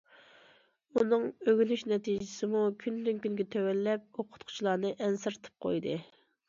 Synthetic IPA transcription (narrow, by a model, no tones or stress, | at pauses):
unɨŋøɡʲylyʃnɛt̪ʰid͡ʒɪsɪmukʲʰynd̪yŋkʲynɡʲɛt̪ʰøwɛlːɛp̚oqʰʊ̥t̪̚qʰʊ̥t͡ʃʰilˠɑːnɨʔɛnsɨɾt̪ʰɨ̥p̚qʰo̰jd̪ɨ